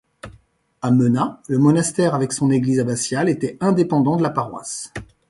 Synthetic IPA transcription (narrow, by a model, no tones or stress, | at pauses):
amənaləmɔnast̪ɛʁavɛksɔ̃neɡlizabasjalet̪ɛɛ̃d̪epɑ̃d̪ɑ̃d̪əlapaʁwa̰s